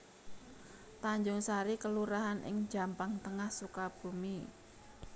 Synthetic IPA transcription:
t̪aɲd͡ʒʊŋsaɾikəluɾaɦanʔɪ̰ŋ̥d͡ʒa̤mpaŋt̪əŋahsukab̥ṳmi

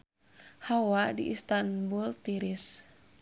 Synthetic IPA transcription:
hawadiʔist̪anbult̪iɾis

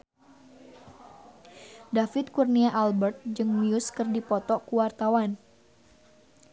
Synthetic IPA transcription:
dafɪt̪̚kurniaʔalbərt̪̚d͡ʒɨŋmiuskɨrdipɔt̪ɔʔkuwart̪awan

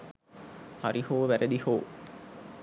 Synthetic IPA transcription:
haɾihoːʋæɾʔəd̪ihoː

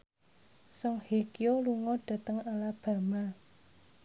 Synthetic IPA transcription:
sɔŋhekioluŋɔɖ̥a̤t̪əŋalab̥a̤ma

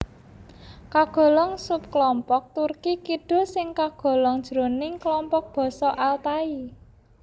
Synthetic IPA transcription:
kaɡ̥ɔ̤lɔŋsʊp̚klɔmpɔk̚t̪urkikiɖ̥o̤sɪŋkaɡ̥ɔ̤lɔŋd̥ʒ̥ɾo̤nɪŋklɔmpɔk̚b̥ɔ̤sɔʔalt̪ai

